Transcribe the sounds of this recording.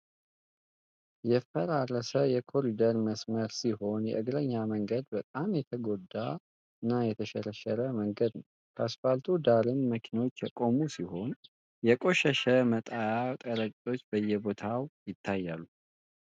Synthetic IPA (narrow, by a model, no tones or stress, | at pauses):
jɛfəɾaɾːəsəjɛkʰo̞ɾid̪əɾməsməɾsiho̞njɛ̰ʔɨɡɾəɲːaməŋɡəd̪bət̪ʼamjɛt̪ʰəɡo̞d̪ːa | ɨnːajɛt̪ʰəʃɛɾəʃəɾəməŋɡəd̪nəw | kʰəasfalt̪ʰud̪aɾɨnməkʰino̞t͡ʃːjɛkʼo̞musiho̞n | jɛkʼo̞ʃɛʃəmət̪ʼajat̪ʼəɾəkʼo̞t͡ʃːbəjɛbo̞t̪ʰawjɪt̪ʰːajːalːu